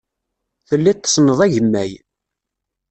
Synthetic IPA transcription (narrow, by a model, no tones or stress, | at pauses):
θəlːit̪ːsnəðˤæʝəmːæ̰j